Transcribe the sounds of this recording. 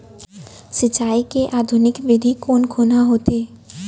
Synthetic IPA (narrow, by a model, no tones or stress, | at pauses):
sit͡ɕajkeʔad̪ʱunikbid̪ʱikonkʰonaɦot̪e